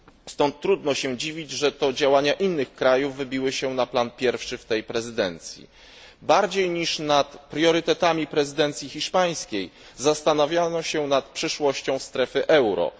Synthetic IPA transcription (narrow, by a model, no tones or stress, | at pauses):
st̪ɔnt̪ːɾud̪nɔɕɛd͡ʑivʲid͡ʑʐɛt̪ɔd͡ʑawaɲaʔinːɘxkɾajuvːɘbʲiwɘɕɛnaplanpʲjɛɾfʂɘft̪ɛjpɾɛzɘd̪ɛnt̪sʲjḭ | baɾd͡ʑejɲiʂnat̪pɾʲjɔɾɘt̪ɛt̪amʲipɾɛzɘd̪ɛnt̪sʲjixʲiʂpaj̃skʲej | zast̪anavʲjanɔɕɛnat̪pʂɘʂwɔɕt͡ɕɔ̃w̃st̪ɾɛfɘʔɛwɾɔ̰